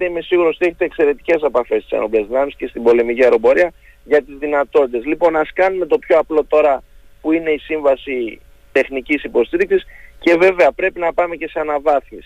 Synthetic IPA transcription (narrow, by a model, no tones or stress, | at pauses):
t̪eime̞siɣuɾost̪ieçet̪ekse̞ɾe̞t̪i̥ce̞s̬ɐpɐfe̞st̪i̥sɐ̰noblezðinɐmisce̞st̪ibo̞le̞miciɐɾo̞bo̞ɾiɐ | ʝɐt̪izðinɐt̪o̞t̪it̪e̞zlipo̞nɐskɐnume̞t̪o̞pço̞ɐplo̞t̪o̞ɾɐ | puine̞isiɱvɐsi | t̪e̞xnicisipo̞st̪iɾiksisce̞ve̞ve̞ɐpɾe̞pinɐpɐme̞ce̞seɐnɐvɐθmis